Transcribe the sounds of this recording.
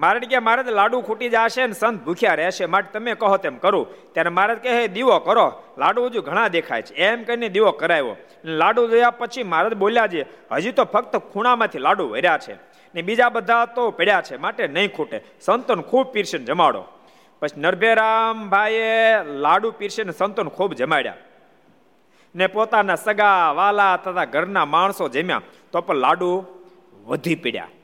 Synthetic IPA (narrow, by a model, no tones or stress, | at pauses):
maɾəʈɡamaɾət̪laɽũkʰuʈid͡ʒaʃeənesənt̪̚bʱukʰjaɾɛʃemaʈet̪əmekəɦot̪emkəɾũt̪jaɾemaɾət̪̚keɦed̪iʋokəɾolaɖuəd͡ʒũɡʱəɽ̃ãd̪ekʰa̰jt͡ʃʰeemkəined̪iʋokəɾajʋo̰ | ənelaɽũd͡ʒojapət͡ʃʰimaɾət̪boljad͡ʒieɦə̰d͡ʒit̪opʰək̚t̪əkʰuɽ̃amãt̪ʰilaɽuʋə̰ɾjat͡ʃʰḛ | nebid͡ʒabəd̪ʱat̪opɛɽjat͡ʃʰemaʈenəɦĩkʰuʈe | sənt̪ənkʰuːb̚piɾʃənd͡ʒəmaɽo̰ | pət͡ʃʰinəɾbʱeɾambʱajelaɽupiɾʃenesənt̪ənkʰubd͡ʒəmaɽja̰ | nepot̪anasəɡaʋalaət̪ət̪ʰaɡʱəɾnamaɳ̃sod͡ʒəmjã̰ | t̪opəɳla̰ɖũ | ʋəd̪ʱipiɽja̰